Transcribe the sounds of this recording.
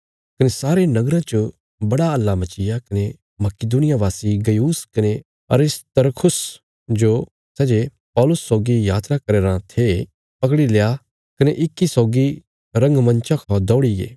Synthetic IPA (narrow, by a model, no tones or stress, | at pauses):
kɐnesaːɾenɐɡɾãt͡ʃo | bɐɽaɐlːamɐt͡ʃɪjakɐne | mɐkɪd̪uːnɪjaʋaːsiɡɐjuːskɐne | ɐ̰ɾɪst̪ɐɾkʰʊs | d͡ʒo | sɛːd͡ʒe | pɔːlʊsːɔːɡijaːt̪ɾakɐɾeːɾãt̪ʰe | pɐkɽileja | kɐneʔɪkːisɔːɡi | ɾɐ̃ŋɡmɐ̃nt͡ʃãkʰõd̪ɔːɽiɡḛː